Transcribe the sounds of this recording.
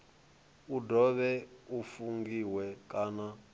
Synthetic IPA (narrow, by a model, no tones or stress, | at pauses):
udɔβɛufuŋɡiwɛkʼaːna